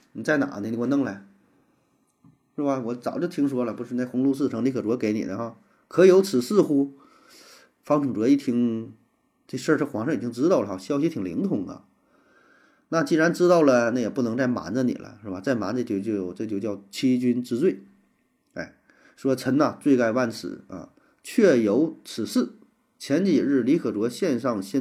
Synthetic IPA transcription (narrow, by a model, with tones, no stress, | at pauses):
ni˨˩t͡sa˥˩ɪna̰˨˩ni˧˥˩i˧˥˩wnɤ˥˧ŋla˧˩ɪ | ʂɻ̩˥˩ba˧wɔ˨˧˥t͡sɑ˨˩ʊt͡ɕjo˥˩ʊt̪ʰi˥ŋʂ̬wɔ˥lə˨pu˧˥ʂɻ̩˥˧na˥˩xʊ˧˥ŋlu˥˧sɹ̩˥˩ʈ͡ʂʰɤ˧˥ŋli˧˥kʰə˨˩ʈ͡ʂu˧˥ke˧˥ɪnḭ˨˩d̪ə˦xɑ˥˩ | kʰɤ˧˥˧jo˧˥ʊt͡sʰɹ̩˨˩sɹ̩˥˩xu˥ | fɑ˧˥ŋʈ͡ʂʰʊ˨˩ŋʈ͡ʂi˥˩t̪ʰi˧˥ŋ | ʈ͡ʂɤ˥˩˧ʂə˞˥˩ʂɤ˥xwɑ˧˥ŋʂɤ˥ŋi˨˩t͡ɕi˥ŋʈ͡ʂɻ̩˥t̪ɑ˥˩lə˩ɑ˧˩ɕjɑ˥ʊɕ̬i˧˥t̪ʰi˨˩lḭ˧˥ŋt̪ʰʊ˨˩ŋlə̰˧ | na˥˧t͡ɕi˥˩ɻa˧˥nʈ͡ʂɻ̩˥t̪ɑ˥˩ʊlə˩na˥˩jɛ˨˩pu˥˩nɤ˧˥ŋt͡sa˥˩ɪma̰˧˥nd͡zə˧nḭ˨˩lə̰˦ʂɻ̩˥˩ba˨˩t͡sa˥˩ɪma̰˧˥nt͡sə˧t͡ɕjo˥˧ʊt͡ɕjʈ͡ʂɤ˥˩t͡ɕjo˥˧ʊt͡ɕjɑ˥˩ʊt͡ɕʰi˥t͡ɕy˥nʈ͡ʂɻ̩˥t͡swe˥˩ɪ | ḛ˥˩ɪ | ʂwɔ˥t͡sʰə˧˥nɐ˧t͡swe˥˧ɪka˥˧ɪwa˥˩nt͡sʰɹ̩̰˨˧˩ɐ̰˧˩ | t͡ɕʰɥɛ˥˩jo˧˥ʊt͡sʰɹ̩˨˩sɹ̩˥˩ | t͡ɕʰjɛ˧˥nt͡ɕi˨˩ɻɻ̩˥˩li˧˥kʰɤ˨˩ʈ͡ʂwɔ˧˥ɕjɛ˥˧nʂɑ˥˧ŋɕjɛ˥˧